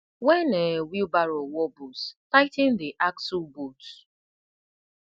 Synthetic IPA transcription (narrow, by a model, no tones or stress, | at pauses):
wɛnewibaɾowɔbostaɪtɪn̩dɪʔaksubot